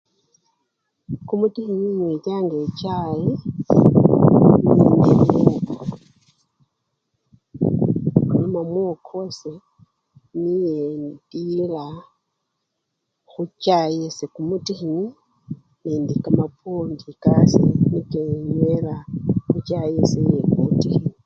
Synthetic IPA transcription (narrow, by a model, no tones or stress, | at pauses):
kumutixiɲiɲwetaːŋɡet͡ʃaje | ninimoko | knomamwokʰose | nijedila | xut͡ʃajesekumutixiɲi | nindikamapʰondikasinikeɲwelaxut͡ʃajesejekumutixini